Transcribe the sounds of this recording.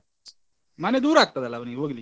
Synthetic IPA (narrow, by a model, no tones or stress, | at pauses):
maned̪uːɾlak̚t̪at̪alaʋəñiʋəɡli